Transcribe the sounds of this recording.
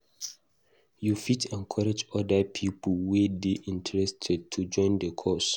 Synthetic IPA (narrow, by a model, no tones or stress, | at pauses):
jufitʰɛ̃nkʰɔɹɛd͡ʒɔdapʰipəlwedeʔĩntʰɛɹɛstʰɛd̚tʰud͡ʒɔ̃ɪ̃ndəkʰɔs